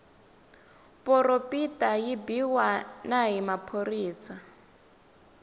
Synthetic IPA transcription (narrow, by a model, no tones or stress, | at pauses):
pʼɔropʼitʼajibiwanaɦimapʰoriːsa